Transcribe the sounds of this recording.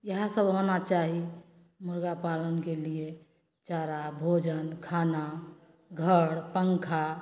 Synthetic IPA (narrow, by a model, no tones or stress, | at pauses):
jəɦãsəbɦonat͡ʃaɦi | muɾɡapalənkelie | t͡ʃaɾabʱod͡ʒənkʰana | ɡʱəɽpəŋkʰa